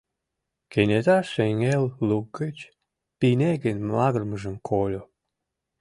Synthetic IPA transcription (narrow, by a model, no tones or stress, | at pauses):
kenʲet̪ɑʃeŋelːuɡːet͡ɕ | pinʲeɡenʲmɑɣərməʒə̆mkʰolʲo